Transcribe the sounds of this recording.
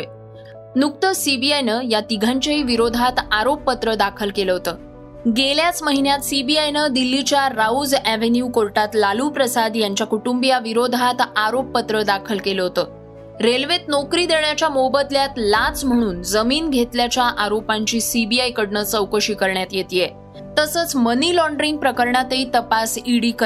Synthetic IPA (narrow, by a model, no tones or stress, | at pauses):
nuk̚t̪əsibiajnəjat̪iɡʱãɲt͡ɕaɦiːʋiɾod̪ʱat̪aɾopːət̪ɾəd̪akʰəlkeləɦot̪əː | ɡeljat͡sməɦinjat̪sibiajnəd̪ilːit͡ɕjaɾaud͡zæʋenjuːkoɾʈat̪laluːpɾəsad̪jaɲt͡ɕjakuʈumbijaʋiɾod̪ʱat̪aɾopːət̪ɾəd̪akʰəlkeləɦot̪əː | ɾelʋet̪nokɾiːd̪eɳjat͡ɕjamobət̪ljat̪lãt͡sm̤əɽ̃uːnd͡zəmiːnɡʱet̪ljat͡ɕjaʔaɾopaɲt͡ɕiːsibiajkəɽɳəːt͡səwkəɕiːkəɾɳjat̪jet̪iːje | t̪əsəːt͡sməniːlɔɳɖɾiŋɡ̚pɾəkəɾɳat̪eit̪əpasiɽiːkə